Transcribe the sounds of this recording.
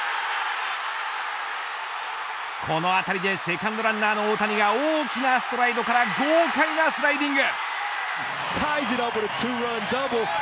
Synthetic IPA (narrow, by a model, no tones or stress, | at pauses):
kʰo̞no̞at̪aɾʲid̪e̞se̞kãnd̪oɾãnːaːno̞oːt̪aɲ̟iɡaoːkʲinasɨ̥t̪o̞ɾaid̪o̞kaɾaɡoːkainasɨɾaid̪ĩŋɡɯ̟ | t̪ʰaɪzɨɾʌpwɨðətʰʉːɹʌ̃ndʌbl̩ˠ